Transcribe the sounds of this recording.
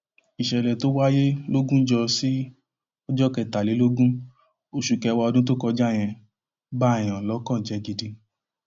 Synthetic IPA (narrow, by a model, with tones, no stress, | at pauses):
i˨ʃɛ˨lɛ˨to˦wa˦je˦lo˦ɡũ˦d͡ʒɔ˧si˦ | ɔ˧d͡ʒɔ˦kɛ˨ta˨le˨˦lo˦ɡũ˦ | o˧ʃu˨kɛ˧wa˧ɔ˧dũ˦t̬o˦kɔ˧d͡ʒa˦˨j̃ɛ̃˧ | ba˦˨j̃ɔ̃˨lɔ˨˦kã˦˨d͡ʒɛ˨˦ɡi˧di˧